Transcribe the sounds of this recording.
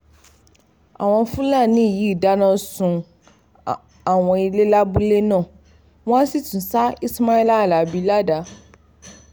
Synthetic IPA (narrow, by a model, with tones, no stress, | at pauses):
a̰˨w̃ɔ̃˨fũ˦lã˦˨nĩ˦˨ji˦˨da˦nã˦sʊ̃˨ | a˨w̃ɔ̃˨i˨le˦la˦bu˦le˦nã˦˨ | wɔ̃˦a˦si˦tũ˨n˨sa˦i˦sma˦ɛ˦la˦˨la˨bi˨˦la˦da˨˦